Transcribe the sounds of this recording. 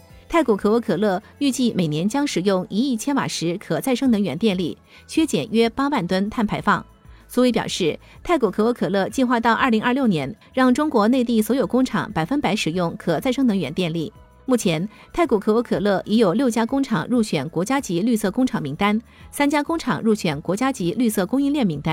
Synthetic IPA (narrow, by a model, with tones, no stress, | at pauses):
t̪ʰa˥˩ɪku˨˩kʰɤ˧˩wɔ˧˥kʰɤ˨˩lɤ˥˩ | y˥˧t͡ɕi˥˩me˨˩ɪnjɛ˧˥nt͡ɕjɑ˥ŋʂɻ̩˨˩jʊ˥˩ŋi˧˥i˥˩t͡ɕʰjɛ˥nwa̰˨˩ʂɻ̩˧˥kʰɤ˨˩t͡sa˥˩ɪʂɤ˥ŋnɤ˧˥ŋɥɛ˧˥nt̪jɛ˥˧nli˥˩ | t͡ɕʰɥɛ˥t͡ɕjɛ̰˨˩nɥɛ˥pa˥wa˥˩nt̪wə˥nt̪ʰa˥˩npʰa˧˥ɪfɑ˥˩ŋ | swɔ˧˥we˧˥ɪpjɑ̰˨˩ʊʂɻ̩˥˩ | t̪ʰa˥˩ɪku˨˩kʰɤ˧˩wɔ˧˥kʰɤ˨˩lɤ˥˧t͡ɕi˥˧nxwa˥˧t̪ɑ˥˧ʊʔɐ˞˥˩li˧˥ŋʔɐ˞˥˧ljo˥˩ʊnjɛ˧˥n | ɻɑ˥˩ŋʈ͡ʂʊ˥ŋkwɔ˧˥ne˥˧ɪt̪i˥˩swjo˨˩ʊkʊ˥ŋʈ͡ʂʰɑ̰˨˩˦ŋpa˨˩ɪfə˥npa˧˥ɪʂɻ̩˨˩jʊ˥˩ŋkʰɤ˨˩t͡sa˥˧ɪʂɤ˥ŋnɤ˧˥ŋɥɛ˧˥nt̪jɛ˥˧nli˥˩ | mu˥˩t͡ɕʰjɛ˧˥n | t̪ʰa˥˩ɪku˨˩kʰɤ˨˩wɔ˧˥kʰɤ˨˩lɤ˥˩ʔi˧˥jo˨˩ʊljo˥˩ʊt͡ɕja˥kʊ˥ŋʈ͡ʂʰɑ˨˩ŋɻu˥˩t͡ɕʰɥɛ˨˩nkwɔ˧˥t͡ɕja˥t͡ɕi˧˥ly˥˧sɤ˥˩kʊ˥ŋʈ͡ʂʰɑ˨˩ŋmi˧˥ŋt̪a˥nsa˥nt͡ɕja˥kʊ˥ŋʈ͡ʂʰɑ̰˨˩ŋɻu˥˩t͡ɕʰɥɛ˨˩nkwɔ˧˥t͡ɕja˥t͡ɕi˧˥ly˥˧sɤ˥˩kʊ˥ŋi˥˧nljɛ˥˩nmi˧˥ŋt̪a˥n